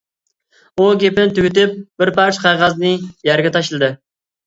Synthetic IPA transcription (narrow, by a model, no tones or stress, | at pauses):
uɡʲepɪnɪt̪ʰyɡʲyt̪ɪp̚bɪɾpæɾt͡ʃʰqʰɑjʁɑznɨjæɾɡʲɛt̪ʰɑʃlˠɨd̪ɨ